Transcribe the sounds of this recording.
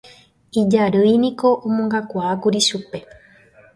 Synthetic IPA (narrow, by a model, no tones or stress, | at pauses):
id͡ʒaɾɨjnĩko̞ʔõmõŋɡakʷaːkuɾiʃupe̞